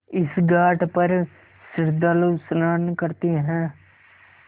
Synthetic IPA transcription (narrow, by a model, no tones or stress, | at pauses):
ɪsɡaːʈpəɾ | sɪɾd̪alusnaːnkəɾt̪iːɦɛ̃ː